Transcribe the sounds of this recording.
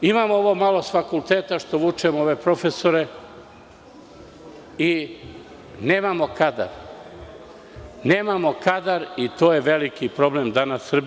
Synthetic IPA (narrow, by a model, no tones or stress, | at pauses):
imamooʋomalˠosfakulˠt̪eːt̪aʃt̪oʋut͡ʃɛmoʋepɾofesoɾɛ | i | neːmamokad̪a̰ɾ | nemamokad̪aɾit̪oːjeʋelikipɾoblemd̪anasːr̩b